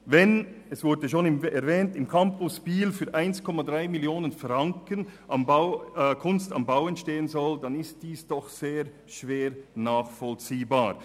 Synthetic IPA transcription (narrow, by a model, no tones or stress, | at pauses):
vɛnɛsv̥ʊɾdəʃoːnɪmɛɐvɛːntɪmkʰampʊsb̥iːlfyːɐʔaɪnskʰɔmadʁaɪmɪljoːnənfraŋkənʔambaʊkʰʊnsta̰mbaʊɛntʃteːənzɔldanɪst̚d̥iːsd̥ɔχz̥eːɾ | ʃv̥eːɾnaːχfɔlt͡siːbaːɾ